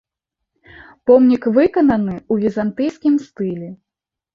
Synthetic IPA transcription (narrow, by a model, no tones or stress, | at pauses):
pɔmnʲikvɨkɐnɐnɨuvʲizant̪ɨjskʲimst̪ɨlʲɛ